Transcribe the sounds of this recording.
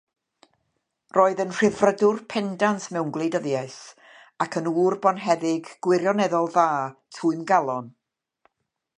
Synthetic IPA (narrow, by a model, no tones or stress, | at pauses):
roːɨðənr̥ɪvrədʊrpʰɛndantʰmɛwnɡlˠejdəðjaɨs | akʰənuːrbɔnɦɛðɪɡɡ̥wɪrjɔnɛðɔlˠðaːtʰuːɨmɡalˠɔn